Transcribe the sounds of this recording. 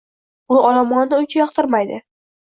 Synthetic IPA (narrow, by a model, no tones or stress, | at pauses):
ʊɒlamɒnnɪʊnt͡ʃʰajɒqt̪ʰɪɾmajd̪ɪ